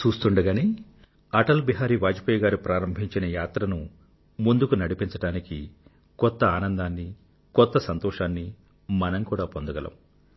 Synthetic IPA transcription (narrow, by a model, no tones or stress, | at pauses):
t͡ʃuːst̪uɳɖɐɡaːni | ɐʈɐlbiɦaːɾiːʋaːd͡ʒipɐjɐɡaːɾupɾaːɾɐmbʱiɲt͡ʃinɐjaːt̪ɾɐnu | mund̪ukunɐɽipiɲt͡ʃɐʈaːniki | kɔt̪ːɐaːnɐnd̪aːnːi | kɔt̪ːɐsɐnt̪ɔːʂaːnːi | mɐnɐmkuːɽaːpond̪ɐɡɐlɐ̰m